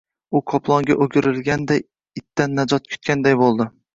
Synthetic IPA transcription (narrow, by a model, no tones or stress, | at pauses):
ʊqʰɒpʰlˠɒŋɡʲaʔoɡʲɪɾɪlɡʲand̪aj | ɪt̪ːanːad͡ʒɒt̪̚kʰʊ̥t̪̚kʲand̪ajbolˠd̪ɪ